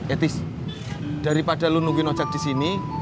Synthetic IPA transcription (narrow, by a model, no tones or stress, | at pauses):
ʔet̪ɪs | d̥aɾipad̥a̤lunuɡinɔt͡ʃak̚d̥isini